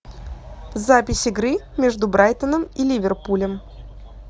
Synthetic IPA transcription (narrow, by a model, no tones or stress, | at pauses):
vzapʲɪsʲɪɡɾɨmʲeʐd̪ʊbɾajt̪ənəmilʲivʲɪrpulʲəm